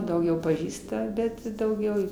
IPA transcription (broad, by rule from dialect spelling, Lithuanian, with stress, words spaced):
dɐʊˈɡʲɛʊ pɐˈʒʲiːstɐ ˈbʲɛt ɪ dɐʊˈɡʲɛʊ